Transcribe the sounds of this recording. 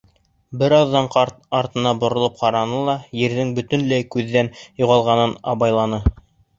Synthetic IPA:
bɘɾɑðːɑɴqɑt̪ | ɑɾt̪ɤ̆nɑbŏɾŏlˠɤp̚qɑɾɑnɤlˠɑjɘ̆ɾðɘŋbɵ̆t̪ɵ̆nlæjkʉðːænjŏʁɑlˠʁɑnɤnɑ̰βɑjlˠɑnɤ

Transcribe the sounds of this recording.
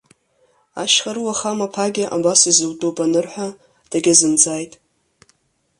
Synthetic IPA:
aʃχaɾwaχamapʰaɡʲɪʔa̰basizɨltʼupʼanɨrħʷᶣa | d̥aɡʲazɨnd͡zajtʼ

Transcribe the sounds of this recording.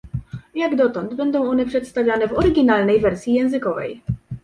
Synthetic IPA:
jaɡd̪ɔt̪ɔnd̪bɛnd̪ɔ̃w̃ɔnɛpʂɛt̪st̪avʲjanɛvɔɾɘɡʲinalnɛjvɛɾsʲjijɛ̃w̃zɘkɔvɛ̰j

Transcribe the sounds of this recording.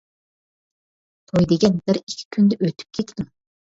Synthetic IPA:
t̪ʰojd̪eɡʲɛnbɪɾikʲʰːi̥kʲʰynd̪ɛʔøt̪ʰy̥p̚kʲʰet̪ʰd̪ɪm

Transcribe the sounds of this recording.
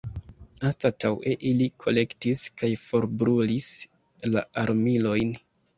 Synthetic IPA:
anstatawe̞ʔilikʰo̞̰le̞ktiskajfo̞ɾbɾulis | la̰aɾmilo̞jn

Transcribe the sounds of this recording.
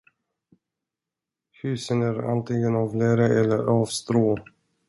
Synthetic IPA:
hʉ̟ːsənæːɾa̰nt̪ʰɪŋːənɑːvlɛːɾəʔɛlːəɾɑːvst̪ɾoː

